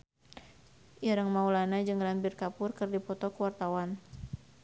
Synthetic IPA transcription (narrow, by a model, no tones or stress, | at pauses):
ʔiɾəŋmaulanad͡ʒɨŋrambɪrkapʊrkɨrdipɔt̪ɔkuwart̪awan